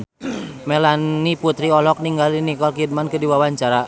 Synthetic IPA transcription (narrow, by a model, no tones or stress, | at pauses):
melanːiput̪ɾiɔlɔk̚niŋɡalinikɔlkid̚mankədiwawaɲt͡ʃaɾa